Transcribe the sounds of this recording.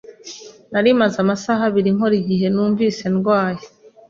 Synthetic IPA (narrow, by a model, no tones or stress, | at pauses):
naɾimazamasaɦaβiɾiŋo̞ɾiɟiɦe̞nuːɱviːse̞nɡwaːje